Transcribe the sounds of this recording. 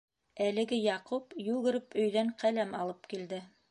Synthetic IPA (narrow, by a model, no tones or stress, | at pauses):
ælɘ̆ɡɘjɑqupjʉɡɘ̆ɾɘpɵ̆jðæɴqælæmɑlˠɤpkild̪ɘ